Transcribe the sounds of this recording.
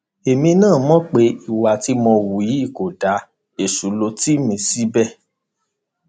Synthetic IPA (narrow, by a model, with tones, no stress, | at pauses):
e˨mĩ˧nãː˦˨mɔ̃˦k͡pe˨˦i˦˨wa˨ti˦mɔ̃˧wu˨ji˨˦i˦˨ko˨da˨˦ | e˦˨su˨˦lo˧ti˦mĩ˧si˨˦bɛ˦˨